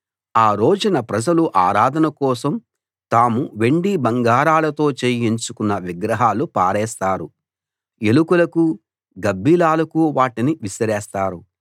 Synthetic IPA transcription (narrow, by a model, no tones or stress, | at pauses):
aːɾo̞ːd͡ʒɐnɐpɾɐd͡ʒɐluʔaːɾaːd̪ʱɐnɐkɔːsɐm | t̪aːmuʋe̞ɳɖibɐŋɡaːɾaːlɐt̪o̞ːt͡ʃeːjiɲt͡ʃukunːɐʋiɡɾɐɦaːlupaːɾɛːst̪aːɾu | e̞lukulɐku | ɡɐbːiːlaːlɐkuʋaːʈiniʋisɐɾɛːst̪aːɾu